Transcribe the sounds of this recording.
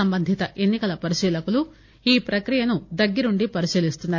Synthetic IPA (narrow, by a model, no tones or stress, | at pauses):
ɐmbɐnd̪ʱit̪ɐʔe̞nːikɐlɐpɐɾiʃiːlɐkulu | iːpɾɐkɾijɐnud̪ɐɡːɐɾuɳɖipɐɾiʃiːlist̪unːaːɾ